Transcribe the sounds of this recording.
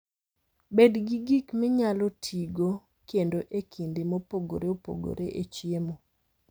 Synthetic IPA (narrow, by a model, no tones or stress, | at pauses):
bedɡiɡikmɪɲalɔtʰiɡo | kendoʔekʰindɪmopoɡo̰ɾeopo̰ɡo̰ɾeʔet͡ʃjemo